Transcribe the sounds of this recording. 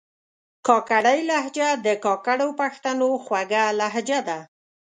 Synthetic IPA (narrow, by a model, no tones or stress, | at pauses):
kɑkaɽajlaɦd͡ʒad̪əkɑkaɽopaxt̪anoxwaɡalaɦd͡ʒad̪a